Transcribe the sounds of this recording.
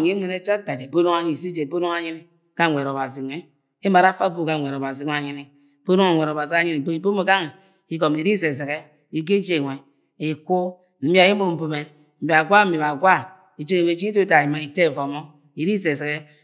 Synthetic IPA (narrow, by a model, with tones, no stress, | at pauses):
ɲi˦mʷe˨ne˦t͡ʃa˦˨ɡa˨d͡ʒe˨bo˦no˦ŋa˦ɲi˨si˦d͡ʒe˨bo˦no˦ŋa˦ɲi˦ni˨ | ka˦˨ŋʷe˨ɾo˨ba˨zi˨nʷe˨ | i˦ma˨ɾa˦fa˦bo˦˨ka˦˨ŋʷ˨e˨ɾo˨ba˨zi˨˦a˨ɲi˦ni˨ | b̥o˦no˦ŋa˨ŋʷe˨ɾo˨ba˨zi˨˦a˦ɲi˦ni˨bo˦i˨bo˦mo˦ɡa˦ŋ˨ | i˨ɡo˨mi˨ɾi˦ze˨ze˨ke˦ | i˨ɡe˦d͡ʒe˨ŋʷe˨ | i˨ku˦ | m̩˦bi˨a˨ji˦mo˦˨m̩˨bo˨me˨ | m̩˨bi˨a˨ɡʷa˦m̩˦mi˨βa˨ɡʷa˦ | i˨d͡ʒe˦ŋe˨we˨d͡ʒi˦to˦da˨i˨ma˨i˨te˦˨vo˨mo˦ | i˨ɾi˦ze˨ze˨ɣe˦